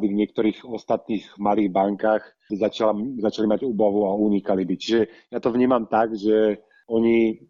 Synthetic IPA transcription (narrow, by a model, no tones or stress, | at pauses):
b̪ivɲɪɛk̚t̪ɔɾiːɣɔst̪at̪niːɣmaliːɣbaŋkaːx | zat͡ʃalazat͡ʃalimaɟuːbaʋuauɲikalibit͡ʃiʒɛjat̪ɔʋɲiːmamt̪aɡʒɛ | ɔɲi